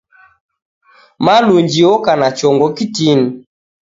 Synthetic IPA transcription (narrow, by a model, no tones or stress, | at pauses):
maluɲd͡ʒiɔkanat͡ʃɔŋɡɔkitini